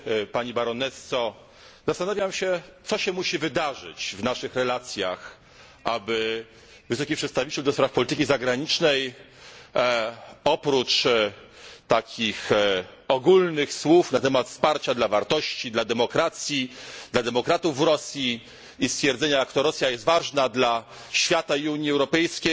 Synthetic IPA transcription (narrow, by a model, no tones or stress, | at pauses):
paɲibaɾɔnɛsɔ | zast̪anavʲjamɕɛt̪sɔɕɛmuɕivɘd̪aʐɨ̰t͡ɕvnaʂɘxɾɛlat̪sʲjax | ʔabɘ | vɘsɔkʲipʂɛt̪st̪avit͡ɕɛld̪ɔspɾafpɔlʲit̪ɘkʲizaɡɾaɲit͡ʂnɛj | ɔpɾut͡ʂ | t̪akʲʰixɔɡulnɘxswufnat̪ɛmat̪fspaɾt͡ɕad̪lavaɾt̪ɔɕt͡ɕid̪lad̪ɛmɔkɾat̪sʲjid̪lad̪ɛmɔkɾat̪uvːɾɔsʲjiː | st̪fʲjɛɾd̪zɛɲaakt̪ɔɾɔsʲjajɛst̪vaʐnad̪la | ɕfʲjat̪aiuɲjiɛwɾɔpɛjskʲej